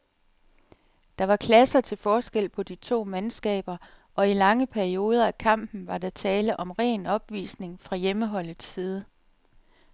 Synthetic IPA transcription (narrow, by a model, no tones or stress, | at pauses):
d̥ɑ̈ʋɑ̈kʰlæsɐt͡sʰe̝lfɒːsɡ̥el̰pʰɒ̽d̥it͡sʰo̝̰ːmænsɡ̥ɛ̰ːb̥ɐ | ʔɒ̽ilɑ̈ŋəpʰæɐio̝ːð̞ˠɐækʰɑ̈m̰b̥n̩ʋɑ̈d̥ɑ̈t͡sʰɛːləʔɒ̽mʁɛ̰ːnɒ̽b̥ʋḭːsne̝ŋfʁɑ̈jeməɦɒ̽l̰ð̩ˠsiːð̞ˠə